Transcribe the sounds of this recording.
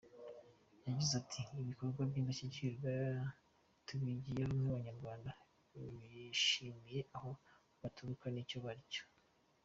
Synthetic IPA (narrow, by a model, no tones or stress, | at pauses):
jaɟizatʰiːβiko̞ɾɡwabɟiːndaʃiciɾɡa | tuβiɟijehomuβaɲaɾɡwaːnda | βiʃimije̞ʔaho̞ | βatʰuɾukanico̞βaɾico̥